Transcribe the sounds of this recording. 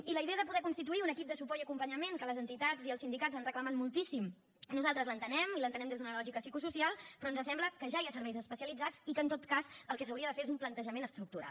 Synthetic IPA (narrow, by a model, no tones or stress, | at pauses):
iləiðeəðəpuðɛkunst̪it̪uiunəkip̚d̪əsupɔiəkumpəɲəmeŋkələzənt̪it̪ad͡ziəlˠsind̪ikad͡zanrəkləmat̪mulˠt̪isim | nuzalˠt̪ɾəzlənt̪ənɛmilənt̪ənɛmd̪ezd̪unəlɔʒikəsikususialˠpɾɔnzəsɛmbləkəʒaiəsəɾβɛjzəspəsiəlid͡zat͡sikəːnt̪ot̪kazəlˠkɛs̬əwɾiəðəfeɾezumplənt̪əʒəmenəst̪ɾuk̚t̪uɾa̰